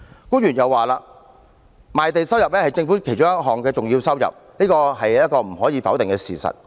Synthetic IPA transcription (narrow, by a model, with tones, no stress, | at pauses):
kuː˥njyː˨˩njɐ˨wːaː˨laː˧ | maː˨jt̪e˨jsɐ˥wjɐ˨p̚lɛː˥hɐ˨jt͡sɪ˧ŋfuː˨˥kʰe˨˩jt͡ʃʊ˥ŋɐ˥t̚ɦɔː˨˩ŋkɛː˧t͡sʊ˨ŋjiː˧wsɐ˥wjɐ̰˨p̚ | niː˥kɔː˧ɦɐ˨jjɐ˥t̚kɔː˧m̩˨˩ɦɔː˨˥jiː˨˧fɐ˨˥wt̪ɪ˨ŋkɛː˧sḭː˨sɐ̰˨t̚